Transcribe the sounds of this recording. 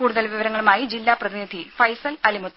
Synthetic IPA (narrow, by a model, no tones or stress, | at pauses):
kuːɽuðɐlʋiʋɐɾɐŋːɐɭumaːjid͡ʑilːaːprɐðinid̪ʱifɐjsɐlɐlimut̪ː